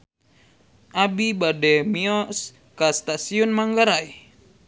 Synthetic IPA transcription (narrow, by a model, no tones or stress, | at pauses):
ʔabibadɛmiɔs | kast̪asiɔnmaŋɡaɾaj